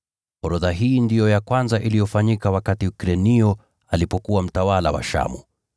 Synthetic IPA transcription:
hɔɾɔðaɦiːndijɔjakwanzaʔilijɔfaɲikawakatiukɾɛniɔ | alipɔkuwam̩tawala̰wa̰ʃa̰mṵ

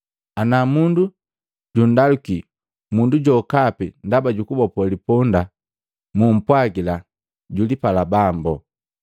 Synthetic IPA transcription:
anamundu | ɟun̩daluki | munduɟɔkapindabaɟukubɔpɔlipɔnda | mum̩pwaɡila | ɟulipalabambɔ

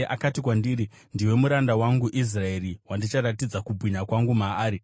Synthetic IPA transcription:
ʔakatikwandiːɾi | ndiwe̞muɾandawaŋɡuʔis̬rae̞riwandit͡ʃaɾatid͡zakubʱwiɲakwaŋɡumaaːɾi

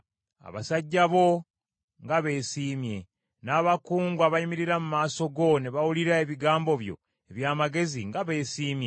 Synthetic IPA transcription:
a̰βa̰saɟːaβo̞ | ŋɡaβe̞ːsiːmje̞ | naːβakuːŋɡwaβaimiɾiɾamumaːso̞ɡo̞neβawuliɾae̞βiɡaːmbo̞βjo̞̰ | e̞βjaːmaɡe̞ziŋɡaβe̞ːsiːmje

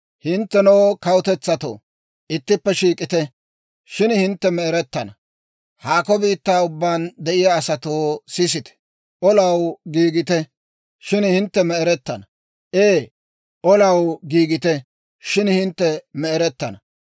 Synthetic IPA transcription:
hɪnt̪ːɛnoːkɐwʊt̪ɛt͡sːɐt̪o̰ː | ʔɪt̪ːɪpːɛʃiːkʼɪt̪ɛ | ʃɪnhɪnt̪ːɛmɛɛɾɛt̪ːɐnɐ | haːkɔbiːt̪ːaːʊbːaːnd̪ɛʔɪjaːsɐt̪oːsɪs̬ɪt̪ɛ̥ | ʔɔlɐwɡiːɡɪt̪ɛ | ʃɪnhɪnt̪ːɛmɛɛɾɛt̪ːɐnɐ | ʔeː | ʔɔlɐwɡiːɡɪt̪ɛ | ʃɪnhɪnt̪ːɛmɛɛɾɛt̪ːɐnɐ

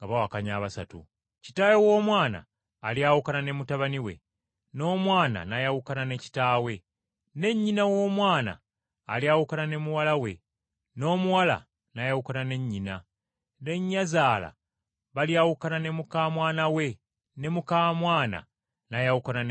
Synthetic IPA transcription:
ŋɡaβawakaɲaːβasatṵ | ci̥taːjowo̞ːmwaːna̰ː | ljawukanane̞mutaβaniwe̞̰ | no̞ːmwaːna̰najawukanane̞ci̥taːwe̞ | ne̞ɲːinawo̞ːmwaːna̰ː | liawukanane̞muwalawe̞̰ | no̞ːmuwala̰ | najawukanane̞ɲːina | ne̞ɲːazaːla̰ | βaljawukananemukaːmwaːnawe̞ | ne̞mukaːmwaːna̰ | najawukanan

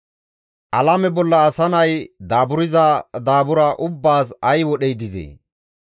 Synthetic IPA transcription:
ʔɐlɐmɛbɔlːɐːsɐnɐjd̪aːbʊɾɪzɐd̪aːbʊɾɐʔʊbːaːsɐjwɔɗɛjd̪ɪzḛː

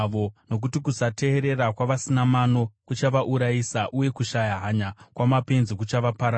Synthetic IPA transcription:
ʋono̞k̬utikusate̞ːɾe̞rakwaʋasinamano̞kut͡ʃaʋaʔuɾaisaʔuje̞kuʃajaɦaɲakwamape̞nzik̬ut͡ʃaʋapaɾa

